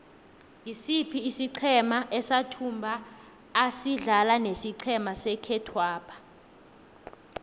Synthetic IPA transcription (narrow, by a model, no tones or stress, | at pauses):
ŋisipʰiːsiǀʰɛmaʔɛsatʰumbʱaː | siɮalanesiǀʰɛmasɛkʰɛtʰwaːpʰḁ